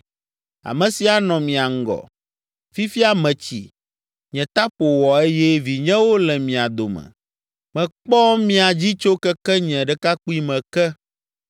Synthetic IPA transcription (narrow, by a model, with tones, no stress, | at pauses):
a̰˨mɛ̃˨si˨a˨nɔ̃˨mĩ˨a˨ŋ̩˦ɡɔ̰˨ | fi˦fi˦a˨mɛ̃˨t͡ɕḭ˨ | ɲɛ̃˨t̪a˦ɸo˨wɔ˨e˦jɛ˦vi˨ɲɛ̃˦wo˦lɛ˨mĩ˨a˨d̪o˨mɛ̰̃˨ | mɛ̃˨k͡pɔ˦mĩ˦a˨d͡ʑi˦t͡ʃo˦kɛ˦kɛ˦ɲɛ̃˨ɖɛ˦ka˦k͡pu˦i˦mɛ̃˨kɛ˦